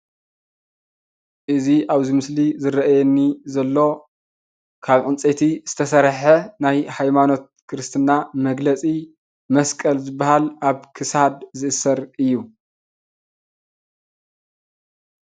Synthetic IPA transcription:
ʔɨziʔaβzimɨslizɨɾɐʔajɛnːizɐlːo̞ | kʰaβqʼɨnt͡sʼet̪ʰiz̥ɨt̪ʰɐsɐɾħenajhajmano̞t̪̚kʰɨɾɨst̪ʰɨnamɐɡlɐt͡sʼi | mɐskʼɐlzɨbːahalaβkʰɨsad̪zɨʔɨsɐɾɨjːu

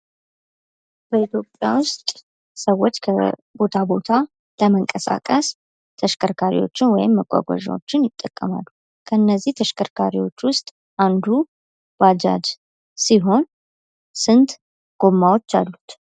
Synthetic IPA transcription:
b̥əit̪ʰjo̞pʼja̰wʊst̪ʼ | səwːo̞t͡ʃːkʰəbo̞t̪ʰabo̞t̪ʰa | ləməŋkʼəsa̰kʼəs | t̪ʰəʃkʰʼəɾkʰaɾḭwo̞t͡ʃːɪnwɔjɪmːəkʷʼa̰ɡʷa̰ʒa̰wo̞̰t͡ʃːɪnjɪt̪ʼːəkʼːəma̰lːu | kʰəɨnːəzːiht̪ʰəʃkʰəɾkʰaɾiwo̞t͡ʃːwʊst̪ʼ | ʔand̪u | bad͡ʒa̰d͡ʒ | siɦo̞n | sɨnt̪ | ɡ̥o̞mːawo̞t͡ʃːalːut̪

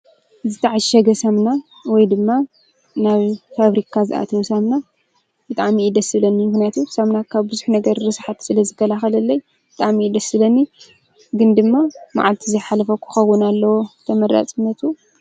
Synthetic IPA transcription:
zɨt̪ʰaʕaʃɐɡɐsɐmna | wɔjd̪ɨmːa | naβfaβɾikʰazɨʔa̰t̪ʰɐwosamna | b̥ɨt̪ʼaʕmiʔːd̪ɐsɨβlɐnːimɨknijat̪usɐmnakʰaβbɨzuħnɐɡɐɾɾɨsħat̪sɨlɐzɨkːɐlaxɐlɐlːɐj | bɨt̪ʼaʕmiːd̪ɐsɨβlɐnːi | ɡɨnd̪ɨmːama̰ʕalt̪ʰizɐjħalɐfɐkʰʷːu̥xɐwːɨnalːɐwot̪ʰɐmɐɾa̰t͡sʼɨnːɐt̪ʰu

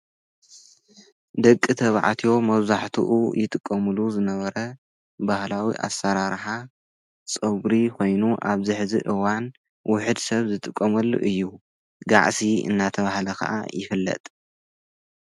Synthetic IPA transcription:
d̪ɐkʼːit̪ʰɐβʕa̰t̪ʰio̞mɐβzaħt̪ʰṵʔṵjɪt̪ʼɨkʼːɐmɨluzɨnɐβɐɾɐ | bahlawḭʔa̰sɐɾaɾħa | t͡sʼɨɡɾikʰo̞jnuʔaβzɨħzḭʔɨwan | wʊħɨd̪sɐβzɨt̪ʼɨkʼːɐmɐlːṵʔɨjːu | ɡaʕsiɨ̰nːat̪ʰɐβahlɐkʰɐ̰ʔa̰jɪfɨlːɐ̰t̪ʼ

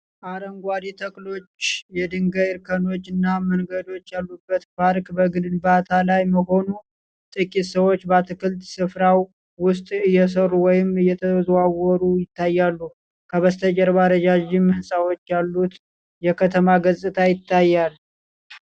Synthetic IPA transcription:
ʔaɾəŋɡʷad̪it̪ʰəkʼlo̞t͡ʃːjɛd̪ɨŋɡəjɪɾkʰəno̞t͡ʃːɨnːaməŋɡəd̪o̞t͡ʃːjalːubːət̪faɾkʼbəɡɨdɨnbat̪ʰalajməɦo̞nu | t̪ʼɨkʼit̪səwo̞t͡ʃːbat̪ʰɨkʰɨlt̪sɨfɾaw | wʊst̪ʼɨjːɛs̬əruwɔjɪmɨjɛt̪ʰəzwawɔɾujɪt̪ʰːajːalːu | kʰəβəst̪ʰəd͡ʒəɾβaɾəd͡ʒaʒɪmɨhɨsʼawo̞t͡ʃːjalːut̪ | jɛkʰət̪ʰəmaɡəzʼɨt̪ʰajɪt̪ʰːajːal

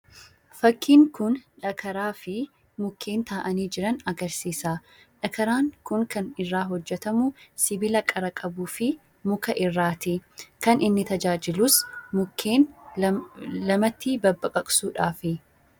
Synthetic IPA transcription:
fɐkːiːŋkʊnᶑɐkʰɐɾaːfɪ | mʊkʰːe̞ːnt̪aːʔɐniːd͡ʒɪɾɐnɐɡɐɾsiːsaː | ᶑɐkɐɾaːŋkʊŋkɐnɪrːaːɦɔd͡ʒːɛt̪ɐmʊsɪbɪlɐkʼɐɾɐkʼɐbuːfɪ | mʊkɐʔɪrːaːt̪ɪkɐnɪnːɪt̪ɐd͡ʒaːd͡ʒɪlʊsmʊkʰːe̞ːn | lɐmɐt̪ːibɐbːɐkʼɐkʼsuːᶑaːfɪ

